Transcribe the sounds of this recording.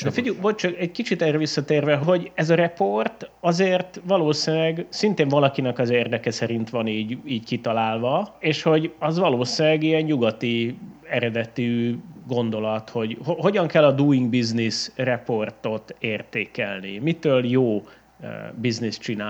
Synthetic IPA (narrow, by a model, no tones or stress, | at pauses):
nɛfiɟuvolt̪̚t͡ʃɒkɛɟkit͡ʃit̪ɛrɛvisːɒt̪eːrvɛɦɦo̞ɟɛzɒɾɛpo̞rt̪ɒzeːrt̪ʋɒloːsilɛɡsint̪eːɱvɒlɒkinɛkɒzeːrd̪ɛkɛsɛɾint̪ʋɒniːɟiːɟkit̪ɒlaːlvɒeːʃho̞ɟɒzʋɒloːsinɛɡiɛɲɲuɡɒt̪iɛɾɛd̪ɛt̪iɡo̞nd̪o̞lɒt̪ho̞ɟhoɦo̞ɟɒŋkɛlːɒd̪uːiŋɡbiznisrɛpo̞rt̪o̞t̪eːrt̪eːkɛlnḭmit̪øːljoː | biznist͡ʃina